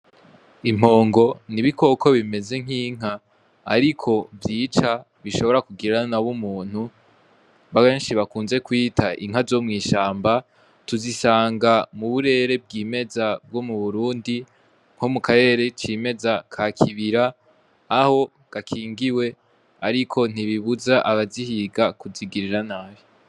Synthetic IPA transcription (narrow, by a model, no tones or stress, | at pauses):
im̥o̞ːŋɡo̞niβikʰo̞kʰo̞βime̞ze̞ŋ̥iːŋ̥a̰ː | ɾikʰo̞vjiːt͡ʃa | βiʃo̞βo̞ɾakuɡiɾanaβumuːn̥hu | βakeːnʃiβakuːnze̞kwiːtʰaʔḭŋ̥azo̞mŋiːʃaːmba | tuzisaːŋɡamuβuɾe̞ɾe̞b̚ɡiːme̞zab̚ɡo̞muβuɾuːndi | ŋ̥ho̞mukaɾe̞ɾe̞t͡ʃime̞zakʰakʰiβiɾaː | ho̞ | ɡ̥akʰiːŋɡiwe̞ | aɾikʰo̞n̥iβiβuzaʔaβazihiːɡakuziɡiɾiɾanaːβi